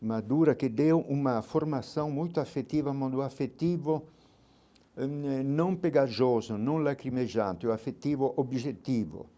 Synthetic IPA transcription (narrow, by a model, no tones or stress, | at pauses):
mad̪uːɾakɪd̪ewumafoɾmasõŋmujt̪oafet̪ːiːvamɔd̪uafet̪ːiːvo | nõŋpeɡad͡ʒɔzanõŋlakɾimed͡ʒant̪ɪwafet̪ːiːvoʔobʒet̪ːiːvo̰